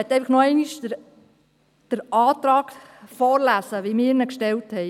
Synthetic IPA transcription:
ɛt̪ːɛɪfləχnɔɛɪniʃəɾ | d̥əɾʔɑːt̪ɾɑːɡfɔːɾlæsəʋimɪːɾnəkʃtɛlthɛɪ

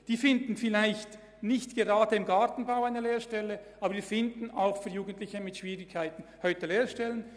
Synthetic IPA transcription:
d̥iːfɪndn̩fɪlaɪçt | nɪçtɡ̥eʁaːdəɪmɡaʁtn̩baʊaɪnəleːɾʃtɛləʔaːbədiːfɪndn̩aʊxfyːɐjuːɡən̩tlɪçəmɪtʃv̥iːʁɪkʰːaɪtn̩hɔʏtəleːɾʃtɛlən

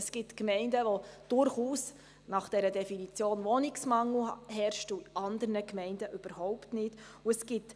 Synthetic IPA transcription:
əsɡ̥ɪtkmɛɪndəʋod̥ʊɾχuːs | nɑχd̥ɛɾədɛfinit͡sjoːnʋɔnɪksmɑŋl̩hɛɾʃtuʔɑnd̪əɾnəkmɛɪndəʔʏb̥əɾhɔʊptnɪd̥ | uəsɡ̥ɪt

